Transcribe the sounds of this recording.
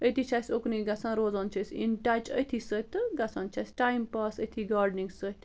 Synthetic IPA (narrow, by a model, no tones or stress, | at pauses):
əjt̪ʰit͡ʃʰasʲokniɡɐsãnɾoːzɐnt͡ʃʰəsʲḭɳʈaːt͡ʃə̰jt̪ʰisət̪ɨɡɐsaːnt͡ʃʰasʲʈajmpɐsəjt̪ʰiɡaːɾɖniŋɡsət̪